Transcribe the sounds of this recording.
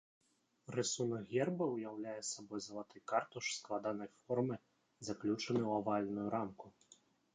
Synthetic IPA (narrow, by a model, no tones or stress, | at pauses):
rɨsunɐɣʲɛrbɐwjawlʲajɛsabɔjzɐlˠat̪ɨjkart̪uʂsklˠad̪anɐjfɔrmɨ | zaklʲut͡ʂɐnɨwavalʲnujuɾamku